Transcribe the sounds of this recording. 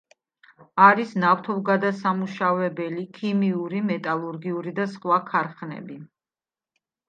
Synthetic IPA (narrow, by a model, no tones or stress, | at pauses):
aɾisnaft̪ʰɔvɡad̪asamuʃavɛbɛlikʰimiuɾimɛt̪ʼalˠuɾɡiuɾid̪asχwakʰaɾχnɛ̰bi